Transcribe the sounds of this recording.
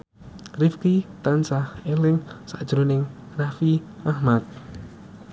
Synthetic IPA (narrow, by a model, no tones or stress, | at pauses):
krifkit̪ansahelɪŋsa̰ʔd̥ʒ̥ɾonɪŋ | rafiahmat̪̚